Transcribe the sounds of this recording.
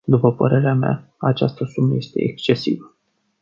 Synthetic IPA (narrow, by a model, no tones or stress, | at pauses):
d̪upəpəɾe̞ɾeamea̰at͡ʃast̪əsuməje̞st̪e̞̰ʔekst͡ʃe̞sḭvə